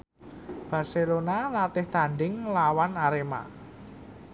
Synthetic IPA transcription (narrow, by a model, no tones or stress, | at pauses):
b̥a̤rselonalat̪ɪht̪aɳɖɪŋlawanaɾema̰